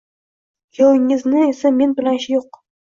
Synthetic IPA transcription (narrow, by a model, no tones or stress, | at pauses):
jowɪŋɪznɪesamenbɪlanʃɪjoq̚